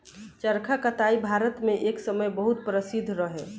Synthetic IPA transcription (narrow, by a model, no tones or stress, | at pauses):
t͡ʃəɾkʰakət̪aibʱaɾət̪mẽʔeksəməjbəɦut̪̚pɾəsid̪ʱɾəɦɛ